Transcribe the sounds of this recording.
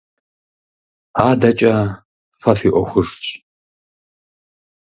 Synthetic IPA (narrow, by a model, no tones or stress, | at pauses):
aːdɐt͡ʃʼɐ | fɐfiʔʷɔxʷʊʂt͡ʃʼ